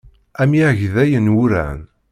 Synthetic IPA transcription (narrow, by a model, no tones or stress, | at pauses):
æmjæʕʝðæjənwʊɾæ̰n